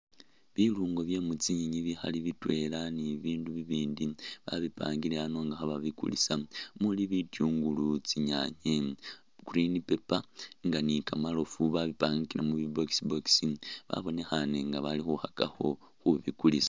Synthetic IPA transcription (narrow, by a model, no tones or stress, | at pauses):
βiluːŋɡo̞βje̞mut͡siɲiɲiβixa̰liβitwe̞laniβiːnduβiβiːndiβa̰βipaːŋɡileano̞ŋɡaxaβaβikṵlḭsamuliβitjuːŋɡulut͡siɲaɲe | ɡ̥uɾinipe̞paŋɡanikamalo̞fuβaβipaŋkilemuβibo̞ksiboksiβa̰βo̞ne̞xane̞ŋɡaβalixuhakaxo̞ | xuβikulisḁ